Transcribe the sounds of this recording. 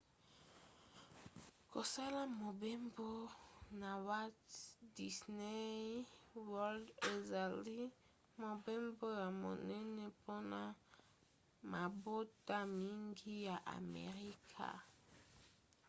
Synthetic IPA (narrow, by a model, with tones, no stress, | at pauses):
ko˨sa˦la˦mo˨bɛ˦mbo˦na˨wa˦tdi˨sne˦ | wɔ˦lde˨za˨li˦ | mo˨bɛ˦mbo˦ja˨mo̰˨nɛ˦nɛ˦po˦na˦ | ma˨bo˦ta˦mi˦ŋɡi˦ja˨ʔa̰˨mɛ̰˨ʁi˦kʰa̰˨